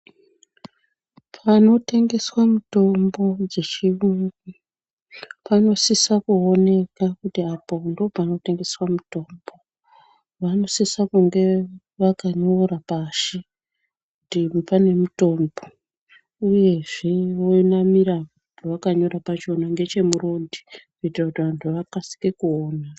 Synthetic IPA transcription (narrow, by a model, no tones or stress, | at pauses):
pʰano̞te̞ŋɡe̞swamuto̞mbo̞d͡ze̞t͡ʃiruŋɡi | pano̞sisakuone̞kakutiapondopano̞te̞ŋɡe̞swamuto̞ːmbo̞ | ʋano̞sisakuŋɡe̞ | ʋakaɲo̞ɾapaʃi | kutipane̞muto̞ːmbo̞ | uje̞ʐeʋoinamiɾaʋantʰuʋakaɲo̞ɾapat͡ʃo̞naŋɡe̞t͡ʃe̞muɾo̞dʱi̥kuitirakutiʋantʰuʋakasi̥kekuoːna